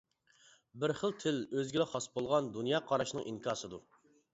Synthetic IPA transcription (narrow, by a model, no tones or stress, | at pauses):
bɪɾχəlˠt̪ʰɪløzɡʲɪlɛχɑsbolˠʁɑnd̪unjɑːqʰɑɾɑʃnɨŋʔinkʰɑːsɨd̪u